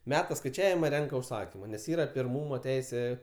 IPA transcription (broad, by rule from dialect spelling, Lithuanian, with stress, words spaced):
ˈmʲæːtɐ skɐɪˈt͡ʃʲæːʋʲɪmɐ ˈrʲɛŋkɐ ʊʃˈsɑːkʲɪmɐ nʲɛs ˈiːrɐ pʲɪrˈmuːmoː ˈtʲɛɪsʲeː